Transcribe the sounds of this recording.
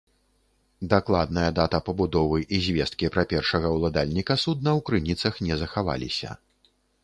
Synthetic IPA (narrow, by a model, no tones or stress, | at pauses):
d̪aklˠad̪nɐjɐd̪at̪ɐpɐbud̪ɔvɨʔizʲvʲɛst̪̚kʲipɾɐpʲɛrʂɐɣɐwlˠad̪alʲnʲikɐsud̪̚nɐwkɾɨnʲit̪sɐxnʲɛzɐxava̰lʲḭsʲɐ̰